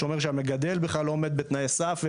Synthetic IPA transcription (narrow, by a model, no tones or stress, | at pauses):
omeʃeameɡad̪e̞lbeχlaloomed̪bet̪najesafve